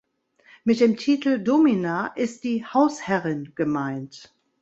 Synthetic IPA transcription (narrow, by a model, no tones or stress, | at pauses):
mɪt̚d̥eːmtʰiːtl̩dominaːʔɪst̚d̥iːhaʊshɛʁɪnɡ̥əmaɪnt